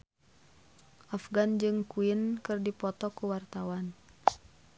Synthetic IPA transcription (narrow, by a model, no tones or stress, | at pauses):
ʔafɡand͡ʒɨŋkuinkɨrdipɔt̪ɔkuwart̪awan